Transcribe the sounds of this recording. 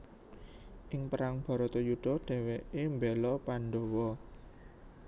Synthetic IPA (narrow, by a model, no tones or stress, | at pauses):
ʔɪŋpəɾaŋb̥ɔ̤ɾɔt̪ɔjuɖ̥ɔ̤ɖ̥ɛ̤weʔembɛlɔpaɳɖo̤wɔ